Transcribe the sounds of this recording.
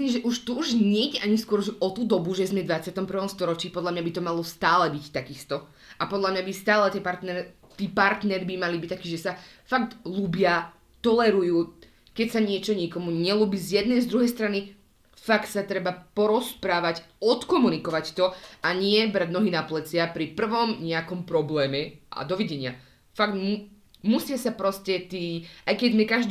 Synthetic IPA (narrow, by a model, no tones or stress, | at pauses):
liːmʒɛʔuʃt̪uuʒɲɛiɟɛʔaɲiskʊɔɾʒɛʔɔt̪uːd̪ɔbuʒɛzmɛd̪ʋat͡sɪat̪ɔmpr̩ʋɔmst̪ɔɾɔt͡ʃiːpɔd̪lamɲabit̪ɔmalɔst̪aːlɛbict̪akist̪ɔ | ʔapɔd̪lamɲabist̪aːlɛt̪iɛpaɾt̪nɛɾɛ | t̪iːpaɾt̪nɛɾibimalibict̪akiːʒɛsafakt̪lubɪa | t̪ɔlɛɾujuː | kɛcsaɲɪɛt͡ʃɔɲikɔmuɲɛluːbiːzjɛd̪nɛjzd̪ɾuɦɛjst̪ɾani | fakt̪sat̪ɾɛbapɔɾɔspɾaːʋacɔt̪kɔmunikɔʋact̪ɔaɲɪɛbɾaɟnɔɦinaplɛt͡sɪapɾipr̩ʋɔmɲɛakɔmpɾɔblɛːmɛʔa̰d̪ɔʋiɟɛɲɪa | faɡt̪mu | musɪasapɾɔscɛt̪iːʔajkɛɟzmɛkaʒd̪